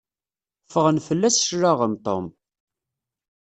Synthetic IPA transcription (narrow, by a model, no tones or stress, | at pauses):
fəʁənfəlːæsʃɾaʁəmt̪ˤo̰m